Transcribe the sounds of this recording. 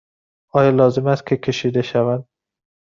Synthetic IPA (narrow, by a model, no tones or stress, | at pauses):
ɒːjɒːlɒːze̞mæst̪̚kʰe̞kʲʰe̞ʃiːd̪e̞ʃævænd̪